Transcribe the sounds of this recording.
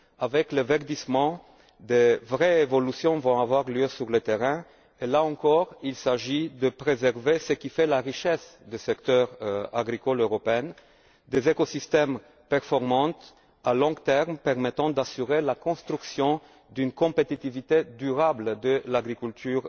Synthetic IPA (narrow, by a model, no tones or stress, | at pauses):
avɛklevɛʁd̪ismɑ̃ | d̪evʁɛevɔlysjɔ̃vɔ̃avwaʁljøsyʁlət̪eʁɛ̃ | elaɑ̃kɔʁilsaʒid̪əpχezɛʁvesəkʲifɛlaʁiʃɛsd̪esɛkt̪œʁa̰ɡʁikɔløʁɔpeɛn | d̪ezekosist̪ɛm | pɛʁfɔʁmɑ̃t̪ | alɔ̃ɡt̪ɛʁmpɛʁmɛt̪ɑ̃d̪asyʁelakɔ̃st̪ʁyksjɔ̃ | d̪ynkɔ̃pet̪it̪ivit̪ed̪yʁabld̪əlaɡʁikylt̪ʰyːʁ